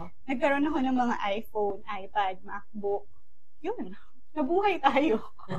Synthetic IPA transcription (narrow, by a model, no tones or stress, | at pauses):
nɐɡ̚kɐɾo̞nɐko̞nɐŋmɐŋa̰ʔajfownʔajpad̪̚mak̚bʊk̚ | jon | nɐbuːɦɐjt̪aːjo